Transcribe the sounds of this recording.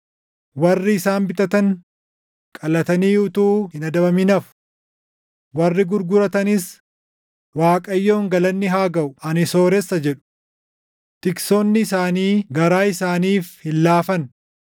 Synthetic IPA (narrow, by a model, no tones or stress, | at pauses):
wɐrːɪːsaːnbɪt̪ʼɐt̪ɐŋ | kʼɐlɐt̪ɐniːʊt̪uːhɪnɐd̪ɐbɐmɪnɐfʊ̥ | wɐrːɪɡʊɾɡʊɾɐt̪ɐnɪs | waːkʼɐjːo̞ːŋɡɐlɐnːɪɦaːɡɐʔʊɐnɪso̞ːɾɛsːɐd͡ʒɛᶑʊ̥ | t̪ɪksoːnːɪːsaːniːɡɐɾaːɪsaːniːfhɪlːaːfɐn